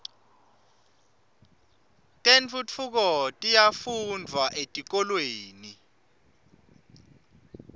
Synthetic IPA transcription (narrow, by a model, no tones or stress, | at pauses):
tʼent͡fʰʼut͡fʰuk̬ɔtʼijafundʱwaʔetʼik̬ʼɔlweːni